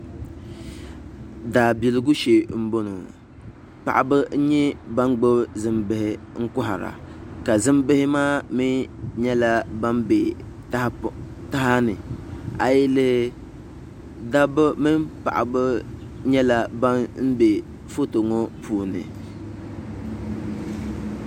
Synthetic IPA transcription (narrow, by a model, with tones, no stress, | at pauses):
daː˨bi˨lɪ˨ɡʊ˦ʃe˨m̩˦bo˦no˨ | pa̰˨ʔa˨bɨ˦n̩˦ɲɛ˦ba˦ŋɡ͡bo˦zɨ˦mbɨ˨hɪ˦ŋ̩˦kʊ˦ɦa˨ɾa̰˨ka˨zɨ˦mbɨ˦hɪ˦maː˦mi˦ɲɛ˦la˦ba˦mbe˨ | tta˦ɦa˦nɨ˨a˨jɪ˦lɨ˦h | da˦bmɨ˦pa̰˨ʔa̰˨bɨ˦ | ɲɛ˦la˦ba˦n̩˦be˨ | fo˦to˨ŋɔ˦pʰuː˨˦nɨ̰˨